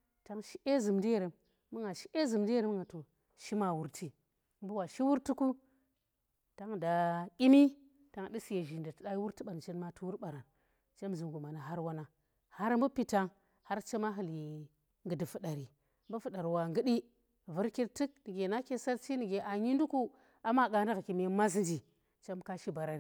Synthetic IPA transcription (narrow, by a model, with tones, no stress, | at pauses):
ta˦ŋʃi˦ʔe˦zɨ˨mdi˦je˨ɾe˨mː | u˦ŋa˨ʃi˦ʔe˦zɨ˨mdi˦e˦ɾmə˦ŋɡa˨to˨ | ʃi˦ma˨wu˨ɾtʰi˦ | m˦bu˦wa˨ʃi˦wu˦ɾtu˦ku˦ | ta˦ŋda˨kʲi˦mi˦ | ta˦ŋ˨ɗi˦sje˨ʒi˨nda˨tɨ˨ɗa˦ji˦wu˦ɾti˦ɓa˨n˨t͡ʃe˦nma˦tu˦wu˦ɾɓa˨ɾa˨n | t͡ʃe˦m˨zu˨m˨ɡu˨ma˨na˨ɦa˦ɾwa˦na˦ | ha˦ɾmbu˦pi˦ta˦ŋ | ha˦ɾt͡ʃe˦ma˦ɦi˨li˨ | ŋɡɨ˨di˨fu˨ɗa˨ɾi˨ | mbu˦fu˨ɗa˨ɾwa˨ŋɡə˦ɗi˦ | vu˦ɾki˦ɾti˦k̚ni˨ɡe˨na˦ke˦sa˦ɾt͡ʃi˦ni˨ɡe˨ʔa˨ɲi˦ndu˦ku˦ | a˨ma˦˨ɡa˨n˦da˦ɣki˨m˦ma˦s̬nd͡ʒi˨ | t͡ʃa˦m˦ka˦ʃi˦ba˨ɾa˨ɾi˨